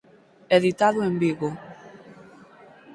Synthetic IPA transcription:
eðit̪aðʊembiɣo

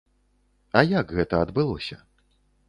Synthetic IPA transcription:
ɐjakɣɛt̪ɐɐd̪bɨlˠɔsʲɐ

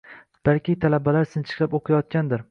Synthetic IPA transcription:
b̥alkʲɪt̪ʰalabalaɾsɪnt͡ʃʰɨ̥qapoqʰɨjɒt̪̚kʲand̪ɪɾ

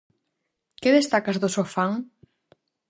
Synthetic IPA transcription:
keðest̪akazðosofaŋ

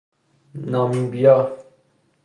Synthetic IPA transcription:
nãːmĩbija

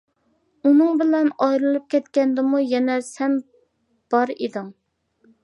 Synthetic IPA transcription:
unɨŋbɪlɛnɑjɾɨlˠɨp̚kʲʰɛt̪kʲɛnd̪ɪmujɛnɛsɛn | b̥ɑɾid̪ɪŋ

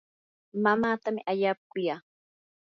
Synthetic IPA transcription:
mamaːt̪amɪ̰ʔaʎaːkʊjaː

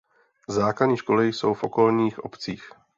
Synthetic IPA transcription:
zaːkladɲiːʃko̞lɪjso̞wfʔo̞ko̞lɲiːxʔo̞pt͡siːx

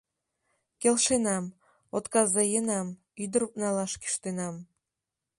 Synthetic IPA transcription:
kʲelʃenɑm | ot̪kɑzɑjənɑm | yd̪ə̆ɾup̚nɑlˠɑʃky̥ʃt̪enɑm

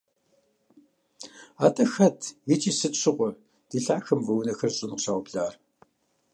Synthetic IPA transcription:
aːtʼɐxɐtʰjit͡ʃʼiːsɨɕɪqʷɔ | d̥iːɬaːxɐmvɐwnɐxɐrɕʼɪnʷɕaːwɔbɮaːr

